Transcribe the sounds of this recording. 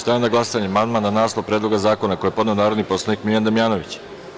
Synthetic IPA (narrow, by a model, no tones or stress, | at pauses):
st̪aenaɡlasaɲemand̪mananaːslˠopɾed̪lo̞ɡazaːko̞nako̞jepo̞d̪neonaːɾo̞d̪niposlˠanikmiljand̪amjaːno̞ʋit͡ɕ